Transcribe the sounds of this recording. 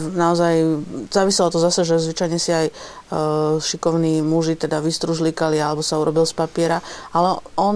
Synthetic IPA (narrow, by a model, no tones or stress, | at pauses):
naɔzajzaːʋisɛlɔt̪ɔzasɛʒɛzʋit͡ʃajɲɛsiaj | ʃikɔʊniːmuʒit̪ɛd̪aʋist̪ɾuʒlikalialɛbɔsauɾɔbilspapɪɛɾaalɛɔn